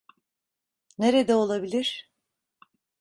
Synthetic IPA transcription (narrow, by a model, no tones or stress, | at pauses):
ne̞ɾed̪ɛo̞lˠabilʲiɾ̥